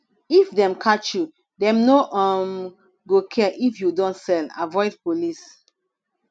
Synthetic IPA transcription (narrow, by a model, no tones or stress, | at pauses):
ifdɛ̃mkʰat͡ʃju | dɛ̃mnoʔɔm | ɡokʰɛʔifjudɔ̃ntsɛla̰vɔɪdpolis